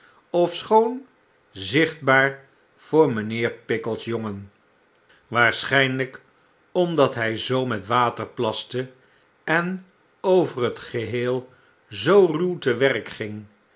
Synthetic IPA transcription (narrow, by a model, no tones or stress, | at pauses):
ɔfsχown | zɪχd̚baːɹ | v̥ʊːɹmənɪːɹpɪkəlˠsjɔŋən | ʋaːɹsχɛjnlək | ɔmdɑtɦɛjzowmɛtʋaːtəɹplɑstə | ɛn | owvərɦətχəɦeːlˠ | zowrywtəʋɛrkχɪŋ